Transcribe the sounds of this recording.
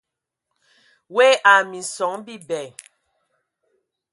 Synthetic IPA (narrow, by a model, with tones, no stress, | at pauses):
we˦ʔa˨mi˨sɔ˨˦ŋbi˦bɛ˨